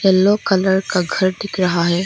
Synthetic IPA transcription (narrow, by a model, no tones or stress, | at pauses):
ɛlːokɐləɾkaɡʱɐɾɖ̪ɪkɾɐɦaɦeː